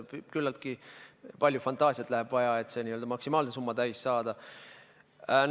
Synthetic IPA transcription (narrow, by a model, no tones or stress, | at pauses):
pkylːɑlt̪̚kipɑlʲjufɑnt̪ˑɑːsiɑt̪ˑlæɦeb̥vɑjɑe̞t̪ːˑse̞niːøld̪ɑmɑksimɑːlnesumːɑd̪æjsːɑːd̪̥ɑ | n